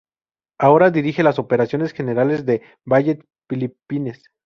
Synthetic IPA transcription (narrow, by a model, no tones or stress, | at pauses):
ao̞ɾaðiɾixe̞laso̞pe̞ɾasjo̞ne̞sxe̞ne̞ɾale̞zðe̞ | βaʝet̪ | filipine̞s